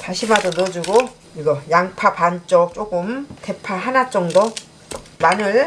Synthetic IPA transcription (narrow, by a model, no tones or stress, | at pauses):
taɕʰimadonod͡ʑuɡo | iɡʌjaŋpʰapant͡ɕ͈ʌk̚t͡ɕ͈oɡɯmte̞pʰaɦanat͡ɕ͈ʌŋdʌ | manɯɭ